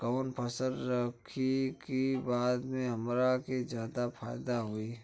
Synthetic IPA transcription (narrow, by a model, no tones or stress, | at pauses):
kaːnpʰɐsəld̪ɾəkʰikibaːd̪mẽɦɐmɾaked͡ʒjaːd̪afʰaːɪd̪aɦoiː